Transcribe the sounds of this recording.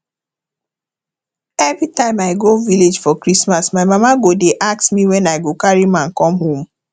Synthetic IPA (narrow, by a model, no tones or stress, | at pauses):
ɛvɹitãɪ̃maɪɡoviled͡ʒfɔkɹismasmaɪmamaɡodeʔak̚smiwɛ̃naɪɡokaɹimãnkɔ̃mhõm